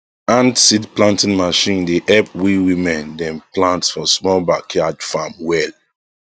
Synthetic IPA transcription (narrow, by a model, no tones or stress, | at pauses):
ãndsidplãntĩnmaʃĩndeʔɛlp̚wiwĩmɛ̃ndɛ̃mplãntsfɔsmɔlbakʰjadfamwɛl